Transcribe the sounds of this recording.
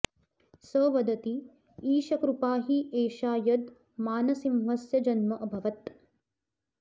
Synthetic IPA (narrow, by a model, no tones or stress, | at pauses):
səːʋɐd̪ɐt̪i | iːʃɐkɾupaːɦiʔeːʃaːjɐd̪ | maːnɐsimɦɐsjɐd͡ʒɐnmɐʔɐbʱɐʋɐt̪